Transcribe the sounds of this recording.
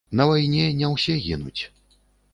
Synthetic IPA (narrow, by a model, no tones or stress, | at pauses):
nɐvajnʲɛnʲɛwsʲɛɣʲinṵt͡sʲ